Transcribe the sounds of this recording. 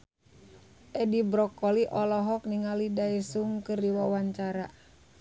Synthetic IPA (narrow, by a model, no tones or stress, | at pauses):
ʔɛdibɾɔkɔliʔɔlɔɦɔk̚niŋalidaisuŋkɨrdiwawaɲt͡ʃaɾa